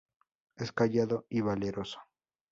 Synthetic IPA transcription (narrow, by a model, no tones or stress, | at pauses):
eskaʝaðo̞iβaleɾo̞so̥